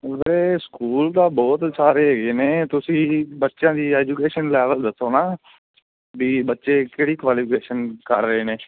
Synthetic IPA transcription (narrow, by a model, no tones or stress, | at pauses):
ʋɾeːskuːld̪aːbɔːt̪saːɾeːɦeːɡeːneːt̪ʊsĩːbətːʃjãːd̪iːɛːd͡ʒuːkeːʃənlɛːʋəld̪əsːoːnaː | biːbətːʃeːkeːɽiːkʋaːliːpʰɪkeːʃənkə̰ɾːəɦeːneː